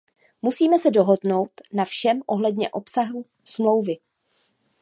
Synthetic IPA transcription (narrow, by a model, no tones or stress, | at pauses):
musiːmɛsɛdo̞ɦo̞dno̞wt̪nafʃɛmʔo̞ɦlɛdɲɛ̰ʔo̞psaɦu | smlo̞wvɪ